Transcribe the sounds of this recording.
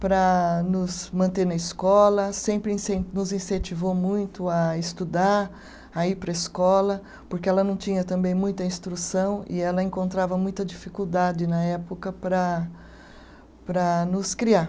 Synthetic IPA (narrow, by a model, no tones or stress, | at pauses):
pɾɐnʊzmɐ̃nt̪eɾnɐɪskɔlɐsẽmpɾɪĩsẽnʊzĩsẽnt͡ʃivomũj̃t̪ʊɐɪst̪ud̪aɾ | aipɾɐɪskɔlɐ | poɾkeɛlɐnɐ̃w̃t͡ʃĩɲɐt̪ɐ̃mbẽj̃mũj̃t̪ɐĩst̪ɾusɐ̃w̃ɪ̰ɛlɐẽŋkõnt̪ɾavɐmũj̃t̪ɐd͡ʒifikuwd̪ad͡ʒɪnɐɛpokɐpɾɐ | pɾɐnʊskɾia